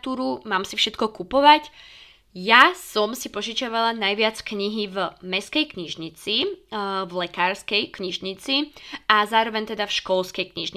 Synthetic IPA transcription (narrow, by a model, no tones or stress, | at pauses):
t̪uːɾumaːmsifʃɛt̪kɔkupɔʋac | jasɔmsipɔʒit͡ʃaʋalanajʋɪat͡skɲiɦivmɛskɛjkɲiʒɲit͡sivlɛkaːɾskɛjkɲiʒɲit͡siazaːɾɔʋɛɲt̪ɛd̪afʃkɔlskɛjkɲiʒɲi